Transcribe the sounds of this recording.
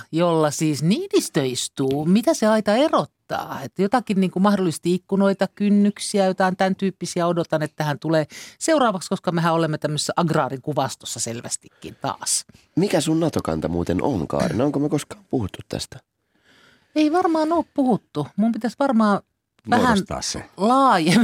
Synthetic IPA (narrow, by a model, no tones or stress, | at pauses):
jolːɑsiːsniːdist̪øist̪uːmit̪æseɑit̪ɑerot̪ːɑ̰ːet̪ːæjot̪ɑkinniːŋkumɑhdolːˑisest̪iikːunoit̪ɑkynːyksiæjot̪ɑɑnt̪ænt̪yːpːisiæodot̪ɑnet̪ːæhænt̪uleːseurɑːʋɑkskoskɑmeɦæolemːet̪æmːøse̥sːæʔɑɡrɑːriŋkuʋɑst̪osːɑselʋæ̰st̪ikːḭnt̪ɑ̰ːs | mikæsunnɑt̪okɑ̰nt̪ɑmuːt̪enʔo̰ŋkɑ̰ːrinoŋkomekoskɑ̥ːmpuhut̪ːut̪tæ̰st̪æ̥ | eiʋɑrmɑːnoːppuhut̪ːumumpit̪æsʋɑrmɑː | ʋæhæntɑ̰ːssḛlɑːjem